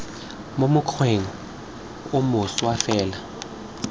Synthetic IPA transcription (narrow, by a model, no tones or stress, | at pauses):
momʊkʰweŋɔ | ʊmʊswafɛːla